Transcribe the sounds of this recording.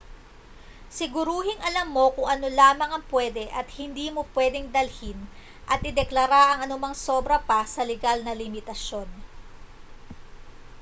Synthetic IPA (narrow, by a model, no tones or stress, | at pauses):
sɪɡʊɾuːɦɪŋɐlɐmːo̞kʊŋʔɐno̞laːmɐŋɐŋpwɛːd̪ɛʔɐt̪̚hɪnd̪iːmo̞pwɛːd̪ɛŋd̪ɐlhɪn | ʔɐt̪ʔɪd̪ɛklɐɾaʔɐŋɐnʊmaŋso̞ːbɾɐpɐsɐlɛɡalnɐlɪmɪt̪ɐʃjo̞n